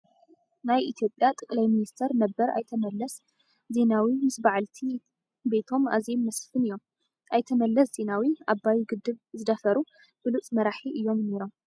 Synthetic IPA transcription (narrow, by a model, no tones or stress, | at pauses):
najʔit̪ʰjo̞pʼjat̪ʼɨkʼlajminist̪ʰɐɾnɐbːɐɾa̰jt̪ʰɐmɐlːɐs | ze̞nawimɨsbaʕalt̪ʰi | be̞t̪ʰo̞ma̰zemːɐsfɨnɨjːo̞m | ʔajt̪ʰɐmɐlːɐsz̥e̞nawiabːajuɡɨd̪ːɨβzɨd̪ɐfɐɾu | b̥ɨlut͡sʼmɐɾaħiʔɨjːo̞mne̞ɾo̞m